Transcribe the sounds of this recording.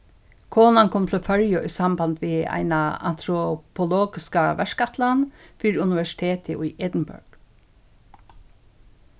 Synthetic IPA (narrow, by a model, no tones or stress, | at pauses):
kʰoːnankʰɔmt̪ʰɪlfœɹjʊʔʊsambant̪ʋia̰ɪnaa̰n̥t̪ɾɔpʰʊloːɡɪskaʋɛʂkat̪ʰlanfiːɾʊnɪʋɛʂɪ̥t̪ʰeːt̪ʰɪʔʊjʔɛd̪n̩bʊ̰ɹɡ̥